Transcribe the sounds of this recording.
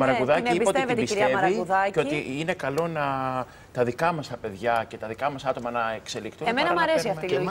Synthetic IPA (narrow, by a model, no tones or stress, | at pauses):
mɐɾɐuðɐiiisɐot̪ievet̪bisitɾiɐemɐɾɐikuðɐeo̞iine̞kɐlo̞nɐ | t̪ɐðikɐmɐst̪ɐpe̞ðʝɐce̞t̪ɐðikɐmɐsɐt̪o̞mɐnɐekse̞likt̪unemenɐmɐɾesiɐft̪ilo